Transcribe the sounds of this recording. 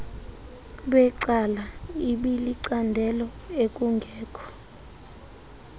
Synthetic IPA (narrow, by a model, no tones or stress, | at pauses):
lɛǀalaiɓiliǀandʱɛlɔek̬ʼuŋɡʱɛːkʰʼɔ̥